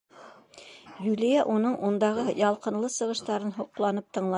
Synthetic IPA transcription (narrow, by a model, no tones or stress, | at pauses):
julijæʔunɤɴʔund̪ɑʁɤjɑlˠqɤ̆nlˠɤsɤ̆ʁɤ̆ʃt̪ɑɾɤnɦoqlˠɑnɤp̚t̪ɤ̆ɴlˠɑ